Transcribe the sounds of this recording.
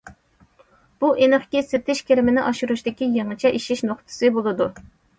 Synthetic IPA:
b̥uʔenɨχkʲisɪt̪ʰɪʃkʲʰeɾɪmɪnɪʔɑʃuɾuʃt̪ɪkʲijeŋɨt͡ʃʰɛʔiʃiʃnoχt̪ʰɨ̥sɨbolˠɨd̪u

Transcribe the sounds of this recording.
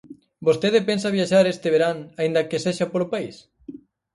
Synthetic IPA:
bost̪eð̞ɪpensaβjaʃaɾest̪eβ̞eɾaŋaind̪ɐkeseʃapolopais

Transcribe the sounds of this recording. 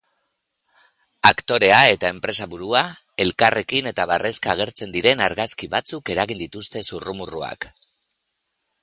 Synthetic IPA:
akt̪o̞ɾe̞ae̞t̪ae̞mpɾe̞saβuɾua | e̞lkare̞kine̞t̪aβarʔe̞skaːɣ̞e̞ɾt͡se̞nd̪iɾe̞naɾɣaskiβat͡suke̞ɾaɣind̪it̪ust̪e̞surumurua̰k

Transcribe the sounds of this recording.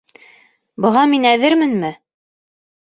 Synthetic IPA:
bɤ̆ʁɑminæðɘɾmɘnmɘ

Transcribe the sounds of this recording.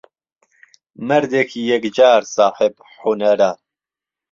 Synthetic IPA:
mɐɾd̪ekʰijɛkd͡ʒaːɾsaːħɪb | ħunɐɾaː

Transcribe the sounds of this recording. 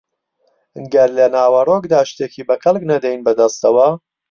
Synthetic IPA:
ɨŋɡɐɾlɐnaːwɐroːkd̪aːʃt̪ekiːbɐxɐlˠknɐd̪ɛjnbɐd̪ɐst̪ɐwɐ

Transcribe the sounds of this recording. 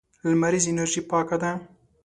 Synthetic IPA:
lamaɾizɪnaɾʒipɑkad̪a

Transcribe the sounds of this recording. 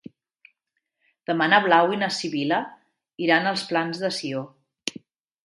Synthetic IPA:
d̪̥əmanəβlawinəsiβilə | iɾanəlˠsplanzðəsio

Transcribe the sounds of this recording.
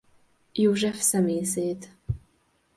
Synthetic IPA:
jɪwʒɐfsɐmiːseːt̪ʰ

